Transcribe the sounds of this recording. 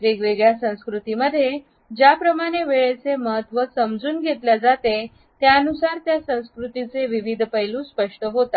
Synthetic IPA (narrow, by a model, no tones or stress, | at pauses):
ʋeɡʋeɡɭjasə̃w̃skɾut̪iməd̪ʱːje | d͡ʑjapɾəmaɽ̃eʋeɭet͡seməɦət̪ʋəsəmd͡zuːnɡʱet̪ljad͡zat̪e | t̪jaənusaɾt̪jasə̃w̃skɾut̪it͡seʋiʋid̪ʱpəjlũːspəʂʈəɦot̪a